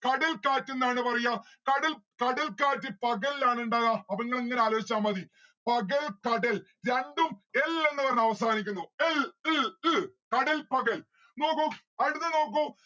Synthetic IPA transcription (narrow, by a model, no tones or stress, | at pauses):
kɐɽɐlkaːtːunːaːɳɨpɐrɐjːa | kɐɽilkɐɽɐlkaːtːipɐɣɐllaːɳuɳɖaːɣaɐʋɐŋːɐɭeiŋːɐneaːloːit͡ɕːaːmːɐði | pɐɣɐlkɐɽɐl | ɾeɳɖumelːɐŋːɐʋɐrnɐʋɐsaːnikʲːunːuel | kɐɽɐlpɐɣɐl | no̞ːkːu | ɐɽunːɨno̞ːk̬ːu